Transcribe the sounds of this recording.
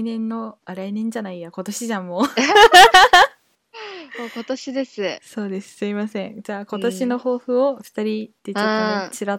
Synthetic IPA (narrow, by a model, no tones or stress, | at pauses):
inẽ̞nːo̞aɾainẽ̞ɲ̟d͡ʑanaijako̞t̪o̞ɕiʑãmːo | oːkot̪oɕid̪e̞sɨso̞ːd̪e̞sɨ̥sɨimasẽ̞ŋd͡ʑaːko̞t̪o̞ɕino̞ho̞ːɸɯ̟oɸɯ̥t̪aɾʲit̪ːe̞t͡ɕot̪ːot͡ɕiɾa